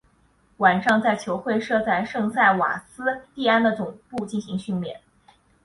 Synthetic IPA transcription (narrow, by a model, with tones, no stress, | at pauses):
wa˨˩nʂɑ˥˧ŋt͡sa˥˩ɪt͡ɕʰjo˧˥ʊxwe˥˧ɪʂɤ˥˧t͡sa˥˧ɪʂɤ˥˧ŋsa˥˩ɪwa̰˨˩sɹ̩˥t̪i˥˧a˥nd̪ə˨t͡sʊ˨˩ŋpu˥˧t͡ɕi˥˩nɕi˧˥ŋɕy˥˧nmjɛ̰˨˩˦n